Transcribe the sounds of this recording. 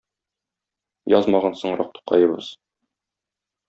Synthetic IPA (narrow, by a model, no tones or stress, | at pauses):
jɒzmɑʁɑnsɤ̆ɴɾɑq̚t̪u̥qɑjɤ̆bɤ̰z̥